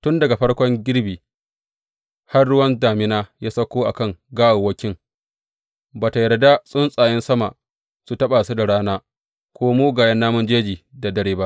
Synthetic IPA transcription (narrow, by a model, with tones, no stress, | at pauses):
tʊ˦ndɐ˨ɡa˨ɸɐ˦ɽkʷɔ˦ŋɡʲɪ˦ɽbiː˨ | ha˦rɽʊ˦wɐ˦nd͡ʒaː˨mɪ˦naː˦jaː˦sɐ˦kʷoː˦ʔa̰˨kɐ˦ŋɡaː˦ʔa˨wɐ˦kʲɪ˦ŋ | baː˨ta˨jɐ˨rda˦sʼʊ˦nsʼaː˨jɛ˦nsɐ˦ma̰˨ | su˨tɐ˦ɓaː˨su˦da˨ɽaː˦naː˦ | kʷoː˦muː˦ɡaː˨jɐ˦nːaː˦mʊ˦nd͡ʒeː˦d͡ʒiː˨da˨dɐ˦ɽeː˦ba˦ʔ